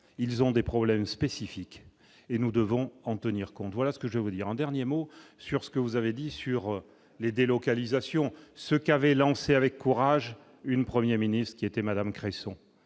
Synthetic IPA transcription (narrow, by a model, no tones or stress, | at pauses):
ilzɔ̃d̪epχɔblɛmspesifik | enud̪əvɔ̃ɑ̃t̪əniʁkɔ̃t̪vwalasə̥kəʒəvɛvud̪iʁɑ̃d̪ɛʁnjemosyʁsə̥kəvuzaved̪isyʁ | led̪elɔkalizasjɔ̃səkavɛlɑ̃seavɛkːuʁaʒ | ynpχəmjɛʁminist̪χəkʲiet̪ɛmad̪amkχesɔ̃